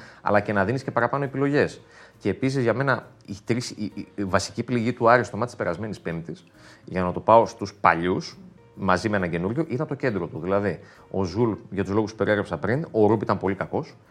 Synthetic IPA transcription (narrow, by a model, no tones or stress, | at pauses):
ɐ̰lɐce̞nɐðinisce̞pɐɾɐpɐnoepilo̞ʝe̞s | ce̞ːpis̬izʝɐme̞nɐ | it̪ɾisvɐsi̥cipliʝit̪uɐɾist̪o̞mɐt̪ispe̞ɾɐzme̞nispemt̪is | ʝɐnɐt̪upɐo̞st̪uspɐ̰ʎus | mɐzimee̞nɐɟe̞nuɾʝo̞ʔit̪ɐnt̪o̞ce̞nd̪ɾo̞t̪uðilɐði | o̞zulʝɐt̪uzlo̞ɣuspu̥pe̞ɾie̞ɣɾepsɐpɾino̞ɾupit̪ɐmpo̞likɐko̞s